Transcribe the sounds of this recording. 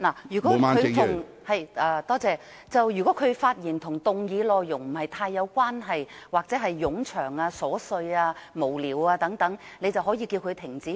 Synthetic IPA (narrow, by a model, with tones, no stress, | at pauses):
laː˨˩jyː˨˩kɔː˨˦˥a˥ɵ˧ŋʊ˨˩ŋ | hɐ˨jʔaː˧˩t̪ɔː˥t͡sɛː˧ | t͡sɐ˨wjyː˨˩kɔ˨˥kʰɵ˨˧ɥfaː˧t̚jiː˨˩nt̪ʰʊ˨˩ŋt̪ʊ˨ŋjiː˨˧lɔː˨˧jjʊ˨˩ŋm̩˨˩hɐ˨jt̪ʰaː˧jːɐ˨˧wkwaː˥nɦɐ˨jwaː˨k̚t͡sɛː˨˥ɦɐ˨jːʊ˨˥ŋt͡ʃʰœː˨˩ŋaː˧sɔː˨˥sɵ˧ɥaː˧mo˨˩wliː˨˩waː˧t̪ɐ˨˥ŋt̪ɐ˨˥ŋne˧jt͡sɐ˨˩whɔː˨˥jiː˧kiː˧wkʰɵ˨˧t̪ʰɪ˨˩ŋt͡siː˨˥